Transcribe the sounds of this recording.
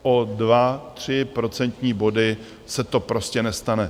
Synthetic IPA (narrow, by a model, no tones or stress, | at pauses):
ʔo̞dvat̪r̝̥ɪpɾo̞t͡sɛnt̪ɲiːbo̞dɪ | sɛt̪o̞pɾo̞scɛnɛst̪anɛ